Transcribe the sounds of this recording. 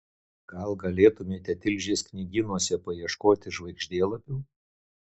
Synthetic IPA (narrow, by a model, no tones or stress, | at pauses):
ɡ̥ɐlˠɡɐlʲeːt̪ʊmʲeːt̪ʲɛt̪ʲɪlʲʒʲesknʲiɡʲɪnuɔsʲɛpɐjiɛʃkoːt̪ʲɪʒʋɐɪɡʒʲd̪ʲeːlˠɐpʲuː